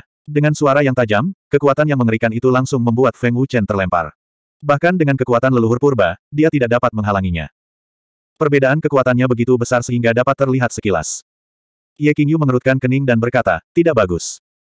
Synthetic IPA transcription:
dəŋansuaɾajaŋt̪ad͡ʒamkəkuat̪anjaŋməŋəɾikanit̪ulaŋsʊŋməmbuat̪fɛŋut͡ʃɛnt̪ərlɛmpa̰r | bahkandəŋankəkuat̪anləluɦʊrpurbadiat̪idaʔ̚dapat̪̚məŋɦalaŋiɲa̰ | pərbedaʔankəkuat̪anɲabəɡit̪ubəsarsəɦiŋɡadapat̪ːərliɦat̪səkila̰s | ijakiŋjuməŋəɾut̪̚kankənɪŋdanbərkat̪a̰t̪idaʔ̚baɡʊs

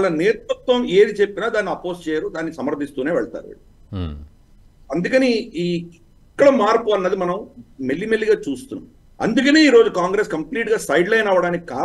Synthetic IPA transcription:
ɭːɐneːt̪ut̪ːʋɐme̞ːd̪it͡ʃe̞pːinaːd̪aːnːiɐpo̞ːst͡ʃɛːjɐɾud̪aːnːiisɐmɐɾd̪ʱːist̪uːne̞ːʋɛɭɐt̪a̰ːɾuḛ | ɐnd̪ukɐni | ikːɐɽɐmaːɾpuɐnːɐd̪imɐnɐmmelːimelːiɡaːt͡ʃuːst̪unːa̰m | ɐ̰nd̪ukɐneːiːɾo̞ːd͡ʒukaːŋɡɾeskɐmpliːʈɡaːsɐjɖlɐjnɐʋːɐɽaːnikikaː

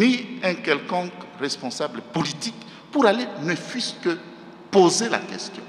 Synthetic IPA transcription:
niɛ̃kɛlkɔ̃kʁɛspɔ̃sabləpolit̪ik | puɾalenəfiskə | pozela̰kɛ̰st̪jɔ̰̃

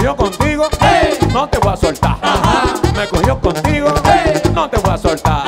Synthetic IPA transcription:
jokont̪iɣonot̪eβweasolt̪a̰ | mekohjokont̪iɣonõt̪eβweasolt̪a

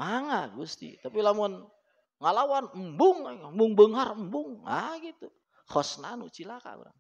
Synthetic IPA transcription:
maŋaɡust̪ḭt̪apilamʊn | ŋalawanmbʊŋambʊŋbəŋɦarmbʊŋa̰ɡit̪u | hɔsnanṵt͡ʃilaka̰ɡṵɾa̰ŋ

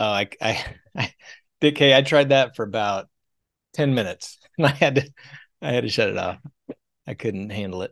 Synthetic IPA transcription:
oʊaɪa̰ɪ | aɪ | d̥ɨkʰeɪaɪtʰɹ̥aɪd̪̚ðɨtfə˞ɨbaʊt̚ʰ | ɛ̃nmɪ̃nɨts | ɨ̃naɪɨd̚tɨ | aɪɨd̚tɨʃʌɾɨ̰ɾɔ̰f | aɪkʰʊdⁿn̩t̚hæ̃ndˡl̩ˠɪt̚

